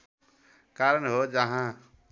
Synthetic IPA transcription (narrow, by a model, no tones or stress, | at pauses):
kaɾənɦod͡ʒʌɦã